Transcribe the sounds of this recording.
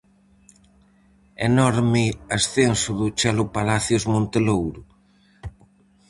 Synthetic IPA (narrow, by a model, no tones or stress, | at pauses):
enɔɾmɪasθensʊðʊt͡ʃɛlʊpalaθjʊzmõnt̪elowɾʊ